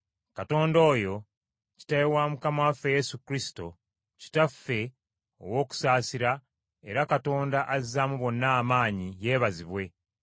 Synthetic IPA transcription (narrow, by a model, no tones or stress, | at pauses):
kato̞ːndo̞ːjo̞ | ci̥tajewamukamawafeje̞sukɾisi̥to̞ | ci̥tafːe̞ | o̰wo̞ːku̥saːsiɾa | e̞ɾakato̞ːndaʔazamuβo̞nːaːmaːɲije̞ːβaziβwe̞